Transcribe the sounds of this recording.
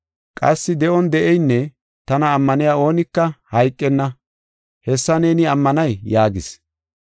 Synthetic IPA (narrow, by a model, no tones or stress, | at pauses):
kʼɐsːɪd̪ɛʔɔnd̪ɛʔɛjnːɛ | t̪ɐnɐːmːɐnɪjaːo̞ːnɪkːɐhɐjkʼːɛnːɐ | hɛsːɐne̞ːnɪɐmːɐnɐjːaːɡɪs